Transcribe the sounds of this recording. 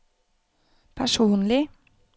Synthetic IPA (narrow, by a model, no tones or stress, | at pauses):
pʰæʂuːnlɪ